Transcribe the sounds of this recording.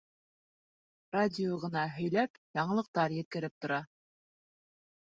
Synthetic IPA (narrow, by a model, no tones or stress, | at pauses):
radʲɪoʁɤ̆nɑɦɵ̆jlæpjɑɴɤ̆lˠɤ̆q̚t̪ɑɾjɘ̆t̪̚kɘ̆ɾɘp̚t̪ŏɾɑ